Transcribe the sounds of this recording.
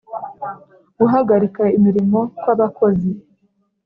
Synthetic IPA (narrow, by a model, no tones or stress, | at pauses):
ɡuɦaɡaɾikaimiɾimo̞kwaβako̞zi